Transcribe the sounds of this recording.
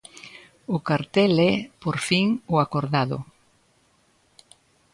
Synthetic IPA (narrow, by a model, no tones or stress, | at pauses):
ʊkaɾt̪ɛlɛpoɾfiŋʊakoɾðaðʊ̰